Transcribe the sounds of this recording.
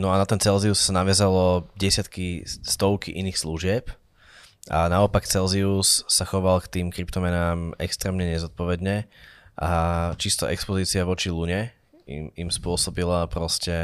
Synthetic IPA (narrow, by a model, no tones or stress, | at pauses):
nɔanat̪ɛnt͡sɛlziussanaʋɪazalɔɟɛsɪat̪kist̪ɔʊkiʔiniːxsluʒɪɛp | a̰naɔpakt͡sɛlziusːaxɔʋalkt̪iːmkɾipt̪ɔmɛnaːmɛkst̪ɾɛːmɲɛɲɛzɔt̪̚pɔʋɛd̪ɲɛʔat͡ʃist̪ɔʔɛkspɔziːt͡siaʋɔt͡ʃiluɲɛ | ḭmimspʊɔsɔbilapɾɔscɛ